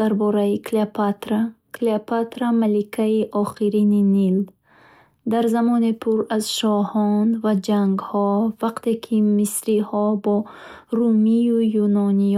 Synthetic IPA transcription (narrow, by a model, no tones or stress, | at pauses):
aɾbɔɾaikʰleapʰat̪ɾakʰleapʰat̪ɾamalikʰaiʔɔχiɾininil | d̪aɾzamɔnepʰuɾazʃɔhɔnvad͡ʒaŋɡhɔvaqt̪ʰe̞kʰimisɾihɔbɔ | ɾumijujunɔni